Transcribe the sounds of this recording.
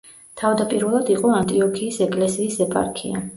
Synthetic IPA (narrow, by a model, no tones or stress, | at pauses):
t̪ʰavd̪apʼiɾvɛlˠad̪iqʼɔant̪ʼiɔkʰiːsɛkʼlɛsiːsɛpʼa̰ɾkʰḭa̰